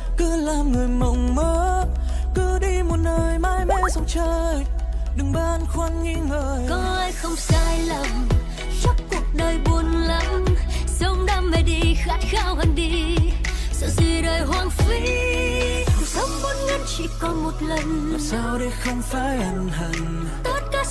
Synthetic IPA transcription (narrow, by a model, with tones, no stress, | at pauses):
kɨ˧laː˨˩mŋɨ˨˩əjmə˨˩wŋ͡mməː˨˦ | kɨ˧˦ɗi˧mo˨˩t̚nəː˨˩jmaː˧jma˧jsɔ˧wŋ͡mt͡ɕəː˧˩jɗɨ˨˩ŋɓaː˧nxwa˧nŋi˧ŋəː˨˩jkɔ˧˦ʔaː˧jxə˧wŋ͡msaː˧jlə˨˩m | t͡ɕɔ˦ŋ͡mku˨˩ək̚ɗəː˨˩jɓu˨˩ənlə˧˦msə˧wŋ͡mɗaː˧mə˨˩ɗi˧xa˦˥t̚xaː˧whə˧˨nɗi˧ | zɨ̰˧˥zi˧ɗəː˨˩jɦwaː˧ŋfi˧˦˨ | sə˨˦wŋ͡m̚kɔ˧˦n̚ŋə˨˧˥n̚t͡ɕḭ˧˥kɔ˧˦mo˨˩t̚lə˨˩n˨˩saː˧wɗe˧˩jxə˧wŋ͡mfaː˧jʔa˨˩nhə˨˩ŋ | t̪o˦t̚kaː˧˥